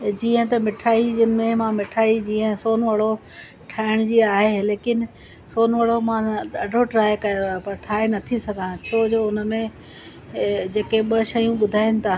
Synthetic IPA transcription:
d͡ʑĩːə̃t̪ɐmɪʈʰaːid͡ʑɪnɪ̆mẽmãmɪʈʰaːid͡ʑiːə̃soːnʋəɽo | ʈʰaːɪɽ̃d͡ʑiːaːɦeleːkɪn | soːnʋəɽomãɗaːɖʱoʈɾaːjkɐjopɐʈʰaːenɐt̪ʰisɐɡʱãt͡ɕʰoːd͡ʑoːʊn̆mẽ | d͡ʑeːkeɓɐʃɐjũɓʊd̪ʱaːɪnɪ̆t̪ʰaː

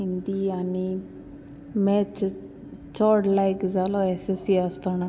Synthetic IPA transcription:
ind̪iɐni | meːt͡ʃ | t͡ʃoːɖlɐjkzaloesesieːst̪aːna

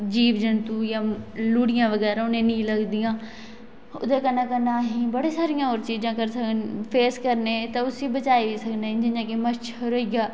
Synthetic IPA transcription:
d͡ʑiːʋd͡ʒɐñt̪ujãluːɽijãʋɐɣɛːɾaʊnẽniːlɐɡd̪ijãː | ʊ̰d̪ʱekɐnakɐnaːɦĩbɐɽesaːɾijãoːɾt͡ɕiːd͡ʑãkɐɾsɐɡʰʱənɪfeːskɐɾnet̪ɐʊsibɐt͡ʃaːiʋisɐɡʰʱnẽd͡ʑɪ̃ɲãkemɐt͡ʃɐɾoiɡaː

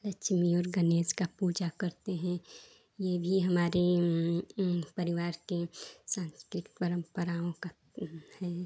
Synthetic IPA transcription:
lɐkt͡ʃmiɔːɾɡəneːskapuːd͡ʒakɐɾt̪eɦɛ̃ | jebʱiɦɐmaːɾe | pəɾɪʋaːɾkesãːnskɾɪkt̪pəɾə̃mpəɾaõka | hɛː

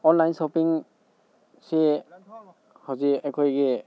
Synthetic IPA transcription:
ɔnlajnsɔpiŋ | se | hɔziakʰɔjɡe

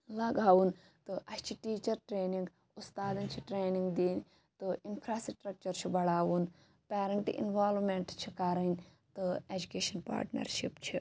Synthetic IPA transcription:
lɐɡaːwun | t̪ɨʔɐst͡ʃʰiʈiːt͡ʃɐɾʈɾeːniŋɡ | ust̪aːd̪ɐnt͡ʃʰiʈɾeːniŋɡd̪iːn | t̪ɨinpʰɾaːsʈɾɐk̚t͡ʃɐɾt͡ʃʰibɐɽaːʋun | pʲeːɾɐɳʈḭʔḭnʋaːlʋmeɳʈt͡ʃʰikɐɾɐnʲ | t̪ɨeːd͡ʒukeːʃɐnpa̰ːɾʈnɐ̰ɾʃipt͡ʃʰi

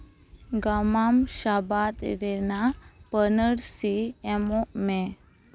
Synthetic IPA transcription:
ɡamamʃabat̪ɾenapənəɽsiɛmome

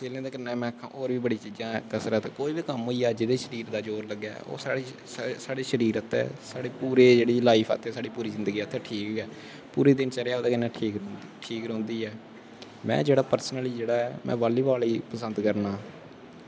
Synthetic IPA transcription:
seːlẽːd̪eːkəɾnɛːmɛ̃ːəkʰːã̰ːʔoːɾʋiːbəɽiːt͡ʃiːd͡ʒãːkəsɾaːt̪eːkoːiːbiːkəmɦoiːaːd͡ʒɪd̪eːʃəɾiːɾd̪aːd͡ʒoːɾləɡja̰ːo̰ːsaːɽiː | saːɽeːʃəɾiːɾət̪ʰɛ̰ːsaːɽeːpuːɾeːd͡ʒeːɽiːlaːipʰːt̪ʰɛːsaːɽiːpuːɾiːzɪnd̪ɡiːət̪ʰːɛːʈʰiːkɛː | pṵːɾeːd̪ɪnt͡ʃəɾejaːoːd̪aːkɪnɛ̃ːʈʰiːk | ʈʰiːkɾõːnd̪iːɛː | mɛ̰̃ːd͡ʒeːɽaːpəɾsnəliːd͡ʒeːɽaːɛːmʔɛ̰̃ːʋaːliːbaːliːpəsənd̪kəɾnaː

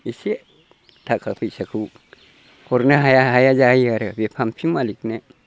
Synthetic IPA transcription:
iseʔ | t̪ʰakapisɐkʰu | koɾneɦajaɦajad͡ʒaiaɾebepʰampʰimalikne

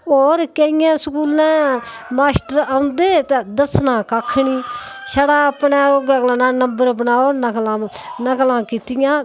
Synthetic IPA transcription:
oːɾkəɪjãːsəkuːlɛ̃ːmaːsʈəɾaːʊ̃nd̪eːt̪ẽːd̪əsnãːkaːkʰːɳiːʃəɽaːəpnẽːoɡaːklãːnãːnəmbəɾbənaːoːnəklãːnəklãːkiːt̪ɪjãː

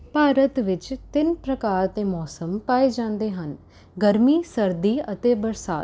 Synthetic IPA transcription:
paːɾət̪ʋɪt͡ʃt̪ɪnpɾəkaːɾt̪ẽːmɔːsəmpaːeːd͡ʒãːnd̪eːɦən | ɡəɾmiːsəɾd̪iːət̪eːbəɾsaː

